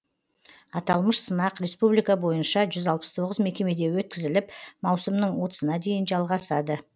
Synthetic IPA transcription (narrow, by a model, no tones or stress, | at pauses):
ɑt̪ɑlˠməʃsənɑqɾe̞spublijkɑbo̞jənʃɑʒʏzɑlˠpə̥st̪ʰo̞ʁəzme̞kʲe̞me̞d̪e̞wɵt̪̚kʲɪzɪlɪpmɑwsəmnəɴwo̞t̪ə̥sənɑd̪e̞jɪnʒɑlˠʁɑsɑd̪ə